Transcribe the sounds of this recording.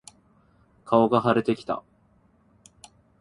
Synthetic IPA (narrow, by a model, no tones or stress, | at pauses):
kʰao̞ɡaɦaɾe̞t̪e̞kʲi̥t̪a̰